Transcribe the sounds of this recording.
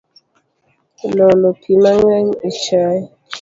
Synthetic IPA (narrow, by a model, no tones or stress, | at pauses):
lolopʰimaŋɛɲit͡ʃaj